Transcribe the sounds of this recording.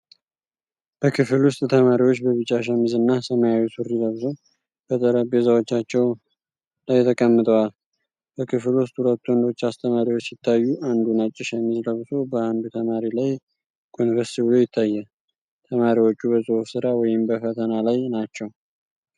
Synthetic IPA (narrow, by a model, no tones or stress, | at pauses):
b̥əkʰɨfɨlwʊst̪ʼt̪ʰəmaɾiwo̞t͡ʃːbəβɨt͡ʃʼːaʃ̬amizɨnːasəmajawisuɾiləβzow | b̥ət̪ʼəɾəbezawot͡ʃːat͡ʃːɛw | lajːt̪ʰəkʼəmːɨt̪ʼəwal | b̥əkʰɨflwʊst̪ʼhulət̪ːuwɔnd̪o̞t͡ʃːast̪ʰʼəmaɾiwot͡ʃːsɪt̪ʰːajːuʔand̪unat͡ʃʼːɪʃamizləβsobəand̪ut̪ʰəmaɾilaj | kʼonɾəsibɨlo̞jɪt̪ʰːajːɛ | t̪ʰəmaɾiwot͡ʃːubəsʼofsɨɾawɔjɪmbəfət̪ʰənalajnat͡ʃːɛw